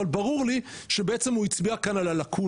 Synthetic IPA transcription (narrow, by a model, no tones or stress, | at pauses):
albaʁuʁliʃebeet͡se̞muit͡sbiakanalalakʰu